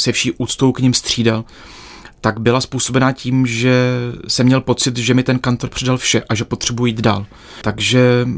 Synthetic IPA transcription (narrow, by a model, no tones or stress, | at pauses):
sɛfʃiːʔuːt̪t͡st̪owkɲɪmst̪r̝̥iːdal | t̪aɡbɪlaspuːso̞bɛnaːciːmʒɛsɛmːɲɛlpo̞t͡sɪt̪ʒɛmɪt̪ɛnkant̪o̞ɾpr̝̥ɛdalfʃɛʔaʒɛpo̞t̪r̥ɛbujujiːd̪daːl | t̪aɡʒɛ